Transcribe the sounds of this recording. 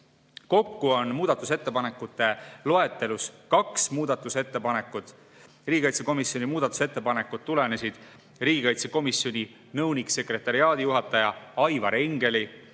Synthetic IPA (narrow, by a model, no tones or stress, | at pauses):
ko̞kːuo̞nmuːd̪̥ɑt̪ːˑuset̪ːe̞pɑnekːˑut̪ːˑe̞lo̞e̞t̪ːˑe̞luskɑksmuːd̪̥ɑt̪ːˑuse̞t̪ːe̞pɑne̞kːˑut̪ˑ | riːɡ̥ʲikɑjt̪se̞ko̞misjo̞nʲimuːd̪̥ɑt̪ːˑu̥se̞t̪ːe̞pɑne̞kːˑut̪̚tːule̞ne̞sid̪̥ | ɾiːɡʲikɑjt̪se̞ko̞misːjo̞nʲi | nɤwnikse̞kre̞t̪ːˑɑɾiɑːd̪̥ijuɦɑt̪ːˑɑjɑɑjvɑɾeŋɡ̥e̞li